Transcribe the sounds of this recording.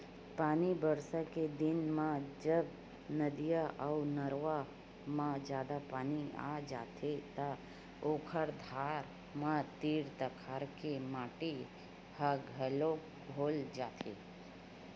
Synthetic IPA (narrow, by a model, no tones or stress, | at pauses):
paːnibəɾsaked̪ɪnmãd͡ʒəb | nəd̪ijaʔəunəɾʋa | mãd͡ʒjaːd̪apaːnia̰d͡ʒaːt̪ʰet̪a | oːkʰəɾd̪ʱaːɾ | mãt̪iːɾt̪əkʰaɾkemaːʈi | həɡʱɦəlo | bʱoːld͡ʒaːt̪ʰḛ